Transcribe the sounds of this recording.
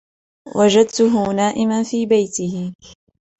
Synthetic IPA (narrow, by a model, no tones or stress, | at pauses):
wʔad͡ʒad̪̚t̪ʊɦʊnaːʔɪmanfiːbajt̪ɪhɪ